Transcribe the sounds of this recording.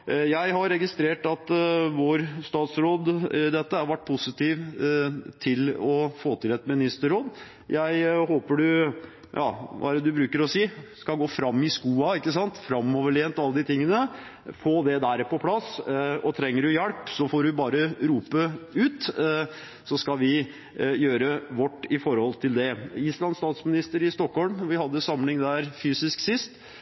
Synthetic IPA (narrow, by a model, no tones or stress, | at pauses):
jæɪɦɑɾɾɛɡɪst̪ɾeːʈɑt̪ʋoːɾst̪ɑːt̪sɾoːd̪d̪ɛt̪ːəæɾʋæʈ̚ːpʰʊsɪt̪iːʋ | t̪ʰɪlɔfoːt̪ʰɪlɛt̪mɪnɪst̪əɾoːd̪ | jæɪhoːpəɖʉ | jɑ̰ːʋʔɑ̰æɾəd̪ʉbɾʉːkəɾɔsiːskɑɡoːfɾɑmːɪskuːɑɪkːəsɑnt̪fɾɑmːɔʋəɭɛːnt̪ɔɑlːəd̪ɪt̪ʰɪŋːənə | foːd̪ɛd̪æːɾpɔpʰlɑsɔt̪ʰɾɛŋːəɖʉjæɽpsɔfɔɾɪbɑːɾəɾuːpəʉːt̪ | sɔskɑlʋɪ | jøːɾəʋɔʈːɪfɔɾhɔlt̪ʰɪld̪ɛɪslɑnst̪ɑːt̪smɪnɪst̪əɾɪst̪ɔkhɔlmʋɪhɑd̪ːəsɑmlɪŋd̪æːɾfyːsɪsksɪst̪